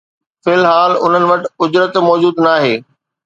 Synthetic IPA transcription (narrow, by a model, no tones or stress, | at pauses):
fɪlɦaːlʊn̤ənɪ̆ʋɐʈɪ̆ʊd͡ʑɾət̪mɔːd͡ʑuːd̪naːɦeː